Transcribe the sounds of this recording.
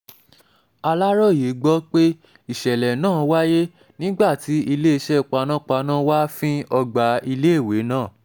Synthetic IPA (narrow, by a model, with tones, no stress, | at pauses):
a˧la˦ɾɔ˦˨je˨˦ɡ͡bɔ˦k͡pe˦ | i˦˨ʃɛ˨lɛ˨nãː˦˨wa˦je˦ | nĩ˦ɡ͡ba˦˨ti˨˦ʔi˧le˦i˧ʃɛ˦˨k͡pa˧nã˦k͡pa˧nã˦wa˦fĩ˦ɔ˧ɡ͡ba˨˧i˧le˦e˦˨we˨˦nãː˦˨